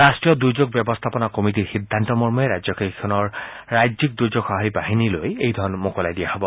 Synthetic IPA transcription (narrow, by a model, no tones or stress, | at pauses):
ɹastɹijɔdujzoɡ̚bjɔbɔst̪ʰapɔnakomit̬iɹxid̪ʱːantɔmɔɹmɔɛɹajzɔkekʰːɔnɔɹ | ɹajzik̚dujzoɡxaɦaibaɦinilojejdʱɔɹɔnmokɔlajdijahobɔ